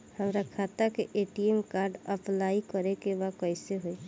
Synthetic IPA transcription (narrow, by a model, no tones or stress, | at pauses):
həmɾakʰat̪akeʔeʈiemkaɾɖəplaikəɾekebakəjseɦoi